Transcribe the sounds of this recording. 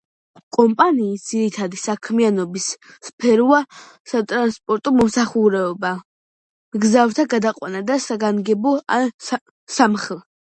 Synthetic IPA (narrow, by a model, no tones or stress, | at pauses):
kʼɔmpʼaniːsd̪z̥iɾit̪ʰad̪isakʰmianɔbisː | pʰɛɾa | sat̪ʼɾanspʼɔɾt̪ʼɔmɔmsaχuɾɛɔba | mɡzavɾt̪ʰaɡad̪aqʼwa̰nad̪asaɡaŋɡɛbɔa | samχɛlˠ